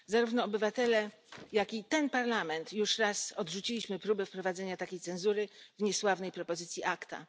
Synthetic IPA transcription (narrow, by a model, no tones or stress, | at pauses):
zaɾuvnɔːbɘvat̪ɛlɛ | jakʲit̪ɛnpaɾlamɛnt̪juʂɾasɔd̪ʐut͡ɕilʲiɕmɘpɾubɛfpɾɔvad̪zɛɲat̪akʲejt̪sɛ̃nzuɾɘvɲɛswavnɛjpɾɔpɔzɘt̪sʲjiʔakt̪a̰